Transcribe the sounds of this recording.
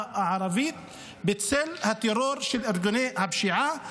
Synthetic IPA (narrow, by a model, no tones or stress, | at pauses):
ʔaʕɾˤɑviːt̪ | bɪt̪sɪlːhat̪ːɪɾoːɾʃɪlʔʊɾɡʊneːʔhabʃiʕa